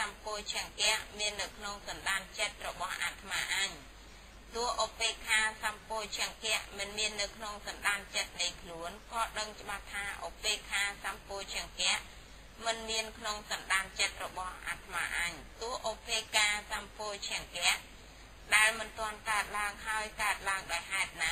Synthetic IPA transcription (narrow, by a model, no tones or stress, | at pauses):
sampoət͡ɕʰɛ̆əŋkɛ̆əʔmiənːɨwkʰnoŋsɑnɗaːnt͡ɕət̪̚rɔɓɑhʔa̰ːt̪ʰmaːʔaɲ | t̪ŭəhʔopeːkʰaːsampoːt͡ɕʰɛəŋkɛ̆əʔmɨnmiənːɨwkʰnoŋsɑnɗaːnt͡ɕət̪̚nɨjkʰluənkɑːɗəŋt͡ɕə̆ɓaht̪ʰːaːʔopeːkʰaːsampoːt͡ɕʰɛ̆əŋkɛ̆əʔ | mɨnmiənkʰnoŋsɑnɗaːnt͡ɕət̪̚rɔɓɑhʔa̰ːt̪ʰma̰ːʔaɲt̪ŭəhʔopeːkaːsampoːt͡ɕʰɛəŋkɛ̆əʔ | ɗaɛlmɨnt̪ŏənkaət̪̚laəŋɦaəjkaət̪̚laəŋɗaɔjhaɛt̪̚na